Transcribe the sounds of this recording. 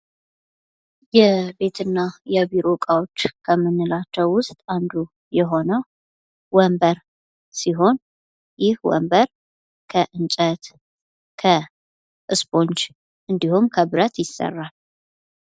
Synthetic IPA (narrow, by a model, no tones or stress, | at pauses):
jɛbe̞t̪ʰɨnːajɛβiɾokʼawot͡ʃːkʰəmːɨnːɨlat͡ʃːɛwwʊst̪ʼand̪u | jɛɦo̞nəw | wɔmbəɾ | siɦo̞n | jɪhwɔ̰mbəɾ | kʰəʔɨnt͡ʃʼət̪ | kʰə | ʔɨsbo̞nt͡ʃ | ʔɨnd̪ihumkʰəbɨɾət̪jɪsːə̰rːal